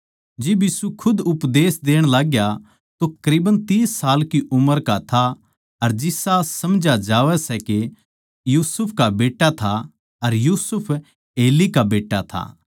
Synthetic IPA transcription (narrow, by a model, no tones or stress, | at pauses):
d͡ʒɪbjiːsukʰʊd̪ʊpd̪eːsd̪eːɽ̃laːɡja | t̪okɐɾiːbənt̪iːsːaːlkiʔʊməɾkat̪ʰa | ɐɾd͡ʒɪsasɐmd͡ʒad͡ʒaːʋɛsɛke | juːsʊpʰkabeːʈːat̪ʰa | ɐɾjuːsʊpʰ | eːlikabeːʈːat̪ʰa̰ː